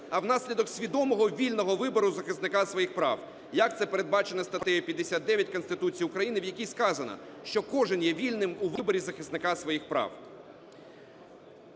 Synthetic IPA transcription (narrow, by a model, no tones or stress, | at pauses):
ɐwnɑsʲlʲid̪ɔksʲʋʲid̪ɔmɔɦɔʋʲilʲnɔɦɔʋɪbɔɾʊzɐxɪsnɪkɑsʋɔjixpɾɑ̰w | jɐk̚t̪sɛpeɾe̞d̪̚bɑt͡ʃenɛst̪ɐt̪ɛjɔpʲjɐd̪esʲad̪̚d̪ɛʋʲjɐtʲkɔnst̪ɪt̪ut͡sʲijʊkɾɐjinɪwjɐkʲiskɑzɐnɐ̰ʃt͡ʃɔkɔʒɪnjɛʋʲilʲnɪmuʋɪbɔɾʲizɐxɪsnɪkɑsʋɔjixpɾɑ̰w